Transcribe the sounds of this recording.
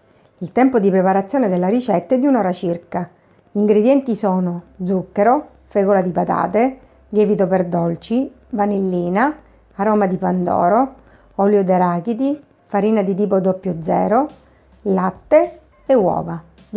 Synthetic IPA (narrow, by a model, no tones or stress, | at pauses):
ilt̪ɛmpod̪ipɾepaɾat̪sːjoːned̪elːaɾit͡ʃɛt̪ːɛd̪ːiunɔːɾat͡ʃirka | ʎiŋɡɾed̪jɛnt̪isɔːnod̪zukːeɾo | fɛːɡolad̪ipat̪a̰ːt̪e | ʎɛːvit̪operd̪ɔlt͡ʃi | vanelːiːna | aɾɔːmad̪ipand̪ɔ̰ːɾo | ɔljod̪eɾaːkit̪i | faɾiːnad̪it̪̬iːpod̪ɔpːjod̪zːɛ̰ːɾo | lat̪ːe | ewɔ̰ːva